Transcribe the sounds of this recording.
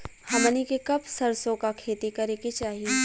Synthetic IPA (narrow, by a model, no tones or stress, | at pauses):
hɐmənikekɐbsɐɾsõkakʰeːt̪ikɐɾeket͡ʃaːɦie